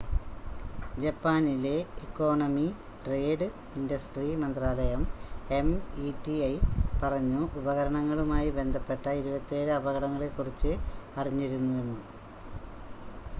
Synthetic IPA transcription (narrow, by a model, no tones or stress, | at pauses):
d͡ʑɐpːaːnile̞ikːo̞ːɳɐmi | ʈre̞ːɖɨ | indɐsʈrimɐnd̪raːlɐjɐmemiʈiɐjpɐrɐɲːuʔubɐɣɐɾɐɳɐŋːɐɭumaːjibe̞nd̪ʱɐpːe̞ʈːɐiɾubɐt̪ːe̞ːɽɨɐbɐɣɐɽɐŋːɐɭe̞kːurit͡ɕːɨɐriɲːiɾunːue̞nːu